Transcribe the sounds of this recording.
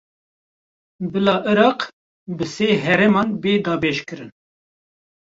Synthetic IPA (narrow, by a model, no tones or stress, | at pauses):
bɨlɑːʔɨɾɑːq | bɨseːɦɛɾɛmɑːnbeːd̪ɑːbɛʃkɨɾɨn